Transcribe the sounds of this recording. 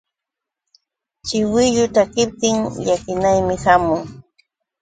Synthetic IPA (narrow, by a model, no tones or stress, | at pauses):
t͡ʃɪwɪʎʊt̪akɪp̚t̪ɪŋʎakɪnajmɪhamʊŋ